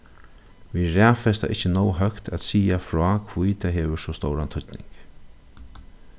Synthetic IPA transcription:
viɾɛːfɛst̪a̰ʔɪhcːənɔwɦœkt̪ʰæt̪siːafɾɔːkʰvujt̪ʰaɦeːʋʏsɔst̪owɾant̪ʰʊt̪nɪ̰ŋk

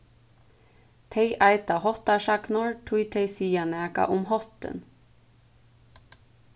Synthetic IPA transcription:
t̪ʰeɪʔæɪt̪ɑhɔt̪ɑʃɑknʊɹt̪ʰujt̪ʰeɪsiːɑnæːkɑ̰ʔʊmhɔt̪ə̰n

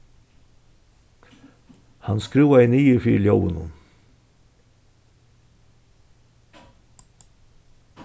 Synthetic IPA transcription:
hanskɾuːwaɪniːɪfiːɾljoːwə̰nhʊ̰n

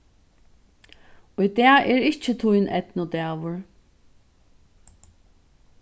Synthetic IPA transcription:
ʊjd̪ɛːɐɛːɹɪht͡ʃət̪ʰʊjnʔɛt̪nʊd̪æːʋʊɹ

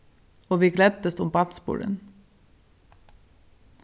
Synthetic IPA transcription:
oːʋiːɡlɛd̪d̪əst̪ʊmbɑt̪sbṵːɾə̰n

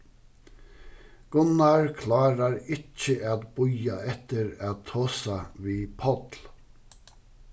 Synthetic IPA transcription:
ɡ̥ʊnɑɹkʰlɑːɾaɾɪcːəʔæd̪bʊjaɛt̪əɹæd̪t̪ʰoːsaʋiːpʰɔt̪l

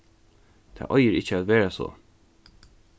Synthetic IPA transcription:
t̪ʰa̰ːʔɔjəɾɪt͡ʃːəæːt̪ʋeːɹaso̰

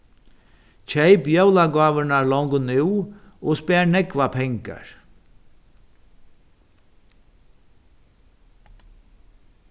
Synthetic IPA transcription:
cʰejpjœwlaɡɑːʋənaɹlɔŋɡnɪwɔːspɛːɹnɛkʋapʰɛŋka̰ɹ

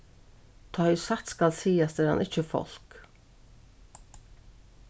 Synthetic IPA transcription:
t̪ʰœʏsat̪skɑlsiːast̪əɾɑ̰nʔɪt͡ʃəfɔ̰l̥k

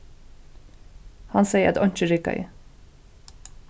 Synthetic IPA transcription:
hɑnseɪəʔɛt̪ɑɲt͡ʃəɾɪkɑ̰ɪ̰

